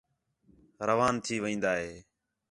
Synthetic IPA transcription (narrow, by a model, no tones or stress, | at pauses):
ɾəʋaːnt̪ʰiːʋĩːnd̪aːɦeː